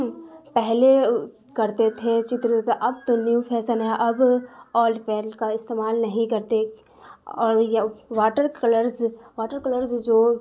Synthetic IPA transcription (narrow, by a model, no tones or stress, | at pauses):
pɛɦle | kɐɾt̪et̪ʰet͡ʃɪt̪ɾt̪ʔɐbt̪onjupʰɛːsənɦɛ̃ʔɐbɔːlɖpɛːɾəlkaɪst̪eːmaːlnɐɦĩkɐɾt̪e | ɔːɾjʋaːʈəɾkɐləɾzaːʈəɾkɐləɾzd͡ʒoː